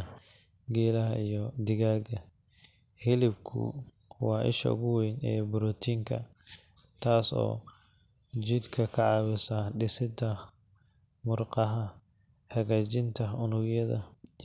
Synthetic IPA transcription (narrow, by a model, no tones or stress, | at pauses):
ɡɛːlɐɦɐijɔd̪ɪɣaːɡɐ | hɪlɪbkʰʊ̰ | wɑːʔɪ̰ʃɐ̰ʊ̰ɣʊwɛjnɛ̰ːbʊɾɔːt̪ʰiːŋkʰɐ̰ | t̪ʰaːsɔ̰ː | d͡ʒɪd̪kʰɐkʰɐʕɑːwɪsaɖɪsɪd̪ɐ | mʊrqɑɦɐ | hɐɣaːt͡ʃɪnt̪ʰɐʊnʊɣjɐðɐ